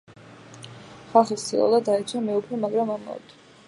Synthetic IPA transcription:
χaχist̪ḭlˠɔ̰d̪ad̪ait̪sʰwamɛupʰɾɛmaɡɾamamɔ̰t̪ʰ

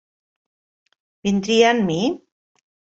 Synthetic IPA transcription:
bind̪ɾianmi

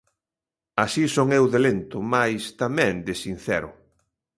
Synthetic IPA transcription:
asisoŋewðelent̪ʊmajst̪amɛ̃ŋd̪ɪsin̟θɛɾʊ

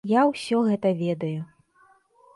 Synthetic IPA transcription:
jawsʲɔɣɛt̪ɐvʲɛd̪ɐju

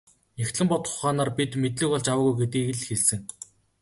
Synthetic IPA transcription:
next̪ɮɘ̆mpɔt̪χʊ̥χaːnaːrpit̪met̪ɮɘ̆kɔɮt͡ɕawəːɣujɡet̪ɡiːɣɘ̆ɮxeɮsɘ̆ŋ

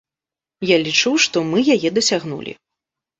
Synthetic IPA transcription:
jalʲit͡ʂuʂt̪ɔmɨjajɛd̪ɐsʲaɣnṵlʲḭ

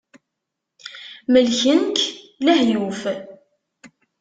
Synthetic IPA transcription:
məlçənklæhjuf

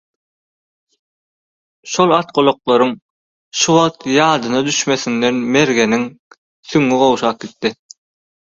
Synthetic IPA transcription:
ʃolˠɑt̪̚qolˠoqlˠɑɾɯŋ | ʃuwɑʁt̪jɑːd̪ɯnɑd̪yʃme̞θind̪e̞nme̞ɾɡe̞niŋ | θyŋːiʁo̞wʃɑːq̚ɡit̪ːi

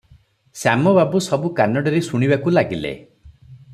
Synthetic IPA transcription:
samɔbabusɔbukanɔɽɔɾesuɽ̃ibakulaɡilḛ

